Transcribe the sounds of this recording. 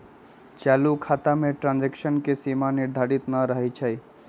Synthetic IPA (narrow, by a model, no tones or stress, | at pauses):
t͡ʃalukʰat̪ameʈɾãnd͡ʒekʃənkesimaniɾd̪ʱaɾit̪nəɾəɦɛt͡ʃʰəj